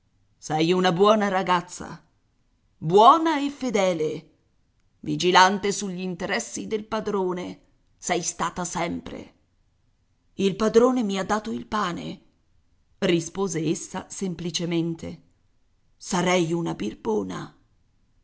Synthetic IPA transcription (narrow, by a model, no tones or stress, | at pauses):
sɛjunabwɔːnaɾaɡat̪sːa̰ | bwɔːnaefːed̪ɛːle | vid͡ʒilant̪esuʎːint̪eɾɛsːid̪elpad̪ɾoːne | sɛjst̪aːt̪asɛmpɾḛ | ilpad̪ɾoːnemiad̪ːaːt̪oilpaːnḛ | rispoːzeesːasemplit͡ʃement̪e | saɾɛjunabirboːna̰